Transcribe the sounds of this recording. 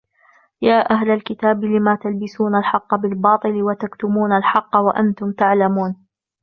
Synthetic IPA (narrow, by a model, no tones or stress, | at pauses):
jaːʔaɦlalkɪt̪aːblɪmaːt̪albɪsuːnalħɑqːɑbɪlbɑːt̪ˤɨlɪwat̪akt̪ʊmuːnalħɑqːɑwaʔa̰nt̪ʊmt̪aʕlamuːn